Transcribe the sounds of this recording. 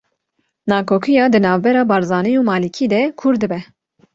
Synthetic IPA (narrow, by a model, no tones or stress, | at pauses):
nɑːkʰoːkʰijɑːd̪ɨnɑːvbɛɾɑːbɑːɾzɑːnijuːmɑːlikʰiːd̪ɛkʰʊɾd̪ɨbɛ